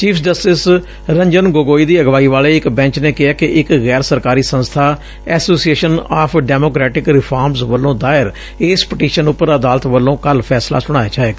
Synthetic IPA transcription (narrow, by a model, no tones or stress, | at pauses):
t͡ʃiːpʰd͡ʒəsʈɪs | ɾə̃ɲd͡ʒənɡoːɡoːiːd̪iːəɡʋaːiːʋaːleːɪkbɛ̃ːɲt͡ʃneːkɪaːkɪʔɪkɣɛːɾsəɾkaːɾiːsə̃nst̪ʰaː | ɛːsoːsieːʃənaːpʰɖɛːmoːkɾɛːʈɪkɾɪpʰaːɾmsʋəlːõːd̪aːɪɾ | eːspɪʈiːʃənʊpːəɾaəd̪aːlət̪ʋəlːõːkəlpʰɛːsla̰ːsʊɽ̃aːjat͡ʃaːeːɡaː